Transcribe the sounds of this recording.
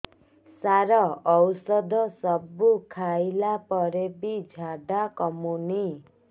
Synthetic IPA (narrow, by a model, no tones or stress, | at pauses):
saɾɔɔwsɔd̪ʱɔsɔbukʰajlapɔɾebid͡ʒʱaɖakɔmuni